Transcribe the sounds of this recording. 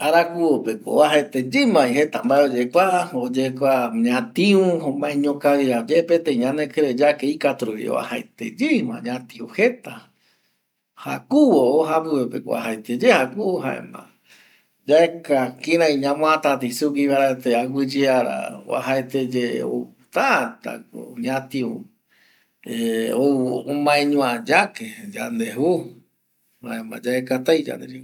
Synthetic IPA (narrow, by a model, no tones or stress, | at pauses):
aɾakuwopeko̰aɦaet̪ed͡ʒɨmãiɦet̪ambaeod͡ʒekʷaod͡ʒekʷaɲãt̪ĩũɦõmãẽɲõkawiɾad͡ʒepet̪ẽĩɲãnẽkeɾed͡ʒakeikat̪ɾuḭo̰βa̰haet̪ḛd͡ʒimã̰ɲãt̪iohet̪a | hakuwooɦapɨwepḛko̰a̰ɦaet̪ed͡ʒehakuoɦa̰ḛmã̰ | d͡ʒaekakĩɾãĩɲãmõãt̪at̪isukiβaɾat̪eaɡʷid͡ʒiaɾa̰a̰ɦaet̪ed͡ʒeo̰ | t̪at̪a̰ko̰ɲãt̪io | eoomãẽɲũãd͡ʒaked͡ʒand̪eɦu | haẽmã̰d͡ʒaekat̪ajd͡ʒa̰nd̪eɾi